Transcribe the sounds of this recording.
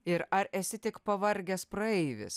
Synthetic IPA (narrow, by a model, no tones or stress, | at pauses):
ɪɾɐɾɛsʲɪt̪ʲɪkpɐʋɐɾʲɡʲɛspɾɐɛɪʋʲɪ̰s